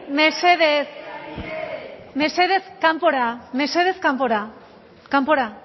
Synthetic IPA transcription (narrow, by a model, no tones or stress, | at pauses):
meseðes | meseðeskampoɾameseðeskampoɾa | kampoɾa